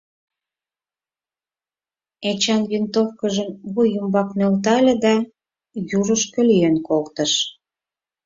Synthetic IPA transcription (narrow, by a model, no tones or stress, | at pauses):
et͡ɕɑnβint̪ofkəʒəmβujumbɑknølt̪ɑlʲĕd̪ɑ | juɾə̆ʃkə̆lienkolt̪əʃ